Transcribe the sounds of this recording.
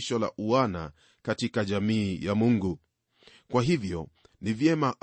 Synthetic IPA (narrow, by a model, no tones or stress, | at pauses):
ʃɔla̰ʔuana̰ | katikaʄamiːjamuŋɡu | kwaɦivjɔ | nivjɛmaʔ